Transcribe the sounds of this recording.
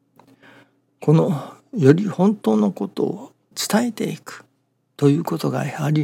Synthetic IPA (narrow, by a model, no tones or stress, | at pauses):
kʰo̞no̞jo̞ɾʲihõ̞nt̪o̞ːnoko̞t̪o̞̰ː | t͡sɨ̥t̪ae̞t̪e̞ikɯ̟̥ | t̪o̞jɯ̟ːko̞t̪o̞ɡa̰aɾʲi